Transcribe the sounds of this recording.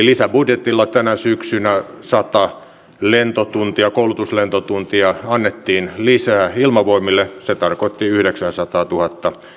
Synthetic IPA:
lisæbudjet̪ilːɑt̪ænæsyksynæsɑt̪ɑ | lent̪ot̪unt̪iɑkoulut̪uslent̪ot̪unt̪iɑɑnːet̪ːiːnlisæːilmɑʋoimilːeset̪ɑrkot̪ːiyhɾeksænsɑt̪ɑːt̪uhɑt̪ːɑ

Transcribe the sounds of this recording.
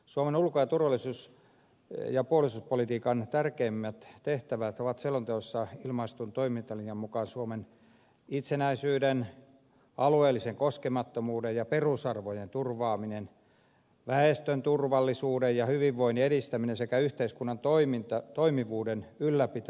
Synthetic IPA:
suomenulkojɑt̪urʋɑlˑisuːs | jɑpuolisuːspolit̪iːkɑnt̪ærkeimːæt̪t̪eht̪æʋæt̪oʋɑt̪selːont̪eosːɑilmɑist̪unt̪oimint̪ɑlijɑmmukɑnsuomen | it̪senæisyːden | ɑlueːlːiseŋkoskemɑt̪ːomuːdejjɑperusɑrʋojent̪urʋɑːminen | ʋæest̪ønt̪urʋɑlːisuːdejjɑhyʋiʋːoineɾist̪æminensekæyht̪eiskunːɑnt̪oimint̪ɑt̪oimiʋuːdenylːæpit̪æ

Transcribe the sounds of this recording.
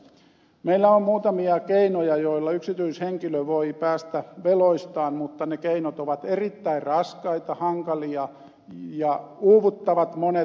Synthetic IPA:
meilːæommuːt̪ɑmiɑkeinojɑjoilːɑyksit̪yisheŋkiløʋoipæːst̪æʋeloist̪ɑːnmut̪ːɑnekeinot̪oʋɑt̪erit̪ːæirrɑskɑit̪ɑhɑŋkɑliɑ | jɑuːʋut̪ːɑʋɑt̪mone

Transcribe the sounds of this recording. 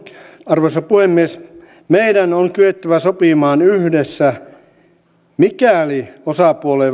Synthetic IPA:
ɑrʋoisɑpuhemːies | meidænoŋkyet̪ːæʋæsopimɑːnyhdesːæ | mikæˑoliosɑpuolei

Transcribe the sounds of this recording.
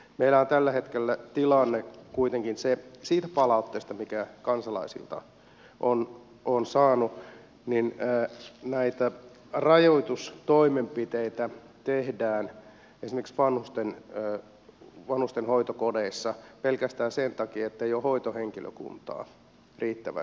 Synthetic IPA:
meilæont̪ælːæhet̪kelːæt̪ilɑnːekuit̪eŋkinsesiːt̪æpɑlɑut̪ːeːst̪ɑmikækɑnsɑlɑ̰isḭlt̪ɑ̰ | ʔon | onsɑːnu | ninː | næit̪æ | rɑjoit̪ust̪oimempit̪eit̪æ | t̪ehdæːn | esimeksʋɑnhust̪enː | ʋɑnhust̪enhoit̪okodeisːɑpelkæst̪æːsent̪ɑkiːet̪ːeijohoit̪oheŋkilø̰kṵnt̪ɑ̰ː | riːt̪ːæʋæ̰

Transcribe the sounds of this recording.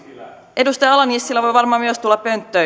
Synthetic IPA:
ʔedust̪ɑjɑɑlɑnisːilːæʋo̞jʋɑrmɑːmyøst̪ulːɑppø̞nt̪ːø

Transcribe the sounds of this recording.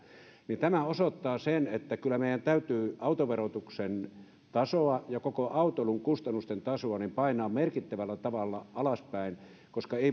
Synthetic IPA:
nint̪æmæosot̪ːɑːsenet̪ːækylːˑæmeˑijˑænt̪æyt̪yːɑut̪oʋerot̪uksen | t̪ɑsoɑjɑkokoʔɑut̪oluŋkust̪ɑnːust̪ent̪ɑsoɑnimpɑinˑɑːmmerkit̪ːæʋælːæt̪ɑʋɑlːɑʔɑlɑspæˑin | koskɑeˑi

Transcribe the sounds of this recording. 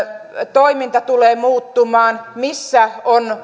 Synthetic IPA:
t̪oimint̪ɑt̪uleːmuːt̪ːumɑːnmisːæon

